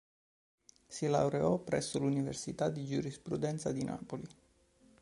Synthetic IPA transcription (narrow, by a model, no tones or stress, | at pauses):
sila̰wɾeɔpɾɛsːolunivḛrsit̪ad̪id͡ʒuɾispɾud̪ɛnt̪sad̪inʔa̰ːpoli